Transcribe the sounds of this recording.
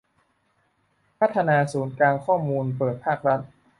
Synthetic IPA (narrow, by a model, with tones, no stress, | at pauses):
pʰa˦˥t̪ʰːa˧naː˧suː˩˦nklaː˧ŋkʰɔː˥˩muː˧npɤː˨˩t̪̚pʰaː˥˩k̚ɾa˦˥t̪̚